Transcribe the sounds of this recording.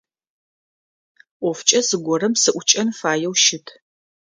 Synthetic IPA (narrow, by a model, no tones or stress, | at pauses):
ʔʷɔft͡ʃʼɐsɨɡʷɔrɐmsɨʔʷʊt͡ʃʼɐnfaːjɛwʃɪtʰ